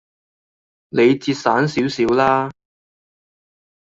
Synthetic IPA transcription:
ne˨˧jt͡siː˧t̚saː˨˥nsiː˨˥wsiː˨˥wlaː˥

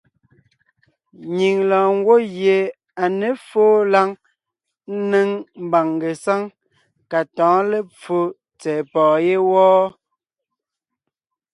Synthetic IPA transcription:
ɲi˨ŋlɔ̃ː˨ŋ˦ɡwo˦ɣje˨ | a˨ne˨˦foː˦la˦ŋ | n̩˦ne˦ŋm̩˦ba˨ŋɡe˨sa˦ŋ | ka˨tɔ̃ː˨˦le˦p͡fo˦ | t͡sɛː˨pɔː˨je˦wɔː˦

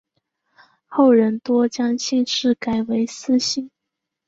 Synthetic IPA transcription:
xo˥˩ʊɻə˧˥nt̪wɔ˥t͡ɕjɑ˥ŋɕi˥˧nʂɻ̩˥˩ka˨˩ɪwe˧˥ɪsɹ̩˥ɕi˥˩ŋ

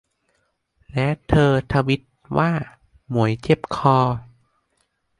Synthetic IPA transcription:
lɛ˦˥t̪ʰɤː˧t̪ʰa˧wi˦˥t̪̚waː˥˩ | mu˨˩˦əjt͡ɕe˧˥˩p̚kʰɔː˧

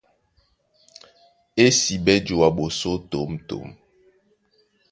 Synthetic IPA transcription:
e˦si˨ɓɛ˦d͡ʒo˨wa˨ɓo˨so˦to˨˦mto̰˨˦m

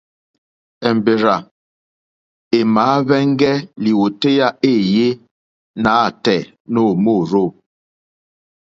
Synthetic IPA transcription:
ɛ˨m˨be˨ɾa˨ | e˨maː˨˦βɛ˦ŋ˦ɡɛ˦li˨wo˨te˦ja˦e˦˨je˦ | na˨˦˨tɛ˨ | no˦˨mo˦˨ɾo˦˨

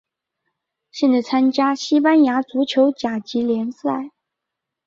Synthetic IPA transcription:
ɕjɛ˥˧nt͡sa˥˩ɪt͡sʰa˥nt͡ɕja˥ɕi˥pa˥nja˧˥t͡su˧˥t͡ɕʰjo˧˥ʊt͡ɕja˨˩t͡ɕi˧˥ljɛ˧˥nsa˥˩ɪ

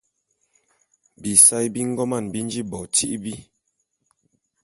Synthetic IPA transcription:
bi˨sa˦jbi˦ŋ̩˦ɡɔ˦ma˦˨nbi˦n˦d͡ʒi˦bɔ˨ti˦ʔbi˦

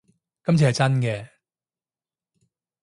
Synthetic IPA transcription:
kɐ˥mt͡sʰi˨˩hɐ˨jt͡sɐ˥nkɛː˧

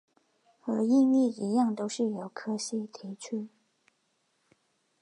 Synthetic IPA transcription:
xə˧˥i˥˧ni˥˩i˧˥jɑ˥˩ŋt̪o˥ʊʂɻ̩˥˩jo˨˩ʊkʰɤ˥ɕi˥˩t̪ʰi˧˥t͡ɕʰy˥˩

